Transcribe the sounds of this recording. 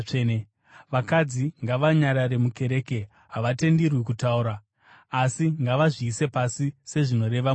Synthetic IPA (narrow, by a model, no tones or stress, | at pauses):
n | ʋakad͡ziŋɡaʋaɲaɾaɾe̞muke̞ɾe̞ːke̞ | ɦaʋate̞ndirwikutauɾaː | siŋɡaʋaʐiːse̞pasise̞ʐino̞ɾe̞ʋa